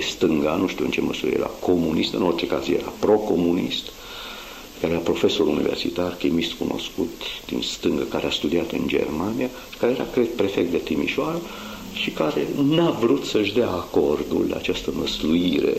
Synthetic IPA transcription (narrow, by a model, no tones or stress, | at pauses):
est̪ɨŋɡanuʃt̪iuɨnt͡ʃe̞məsuḭḛjeɾʔa̰kʰo̞munist̪ɨno̞rt͡ʃe̞ka̰zjḛɾa̰pɾo̞ko̞munḭst̪ | kaɾeapɾo̞fe̞so̞ɾunḭversit̪arkimist̪kunʔo̞̰skut̪d̪̥ḭnst̪ɨŋɡəkaɾeast̪ud̪iat̪ɨ̰nd͡ʒḛrmanijḁ | kaɾejeɾa̰kɾet̪̚perfek̚t̪d̪e̞t̪imḭʃoaɾə | ʃikaɾe̞navɾut̪səʃd̪eaːko̞rd̪ṵlla̰at͡ʃast̪əməsluiɾḛ